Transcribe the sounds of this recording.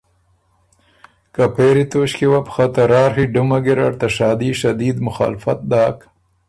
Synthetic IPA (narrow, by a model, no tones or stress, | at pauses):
kapeɾit̪oʃkiwapxat̪aɾɑːɾxiɖumaɡiɾaɾt̪aʃɑːd̪iʃad̪iːd̪mʊxɑ̰ːlɪfat̪̚d̪ɑːk